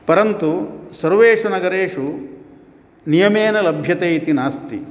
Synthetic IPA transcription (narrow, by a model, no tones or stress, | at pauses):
pɐɾɐnt̪usɐɾʋeːʂunɐɡɐɾeːʂu | nijɐmeːnɐlɐbʱjɐt̪ejit̪inaːst̪ḭ